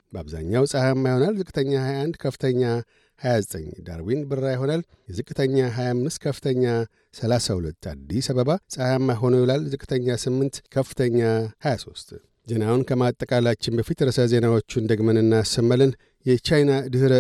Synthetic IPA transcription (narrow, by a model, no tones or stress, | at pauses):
bəa̰βza̰ɲːawsʼahamːajho̞nalzɨkʼɨt̪ʰəɲːahajaand̪kʰəfɨ̥t̪ʰəɲːa | hajazət̪ʼə̰ɲd̪a̰ɾwinbɨrːajɦo̞nal | jɛzɨkʼɨt̪ʰəɲːaɦajamːɨst̪kʰəfɨ̥t̪ʰəɲːa | səlasahulət̪ʰːa̰d̪ːisaβəβasʼahamːajɦo̞nojilalzɨkʼːɨ̥t̪ʰəɲːasɨmːɨnt̪kʰəfɨ̥t̪ʰəɲːahajaso̞̰st̪ʼ | ze̞nawunkʰəmat̪ʼːəkʼalat͡ʃːɪnbəfit̪ɾəsəze̞nawo̞t͡ʃːund̪əɡmənɨnːasəmːəlɨn | jɛt͡ʃajnad̪ɨhɨɾə